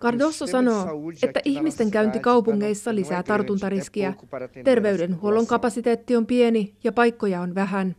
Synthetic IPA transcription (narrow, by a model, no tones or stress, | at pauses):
kɑrdo̞sːosɑno̞ːe̞t̪ːæʔiçmist̪e̞ŋkæynt̪ikɑwpuŋːe̞jsːɑlisæːt̪ɑrt̪unt̪ɑɾisk̟iæt̪e̞rʋe̞yɥde̞nhuolo̞ŋkɑpɑsit̪e̞ːt̪ːiompie̞nijɑpɑjkːo̞jɑonʋæɦæn